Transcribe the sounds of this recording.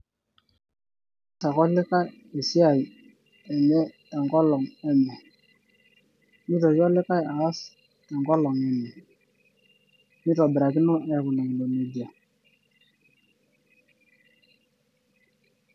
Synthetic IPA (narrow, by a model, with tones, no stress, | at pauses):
ta˨kɔ˦lɪ˦ka˦ | e˨si˦a˨i˨ | ɛ˨nɛ˦tɛ˨ŋɡɔ˦lɔ˨ŋɛ˦mɛ˨ | mi˦tɔ˨jɔ˦lɪ˦ka˦jaː˨˦s | tɛ˨ŋɡɔ˦lɔ˨ŋɛ˨nɛ˨ | mi˦tɔ˨bɪ˨ɾa˨ki˦nɔ˦ɛ˦˨ku˨nɔ˨ŋ˨lo˨ne˨d͡ʒa˨